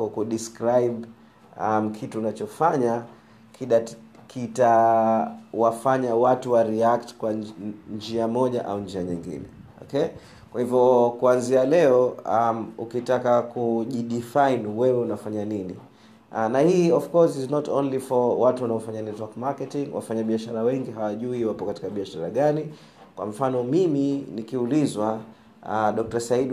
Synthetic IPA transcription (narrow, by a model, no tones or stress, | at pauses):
kakuɗiskɾajɓ | am̩kʰituːnat͡ʃɔfaɲa | kiɗakʰita | wafaɲawatuwaɾiak̚tkwand͡ʒiamɔʄaʔa̰und͡ʒiaɲiŋɡḭnɛ̰ɔ̰kɛ | kwahivjɔkuanzialɛɔamukitakakuʄiɗifajnwɛwɛunafaɲanini | nahiːɔfkɔsiznɔtʰɔ̰̃nlifɔwatuwanaɔfaɲanitakmakɛtiŋwa̰faɲaɓiaʃaɾawɛŋɡiɦawaʄuiwapɔkati̥kaɓiaʃaɾa̰ɠani | kwa̰ɱfanɔmiminikiulizwa | ɗɔk̚tasaiɗ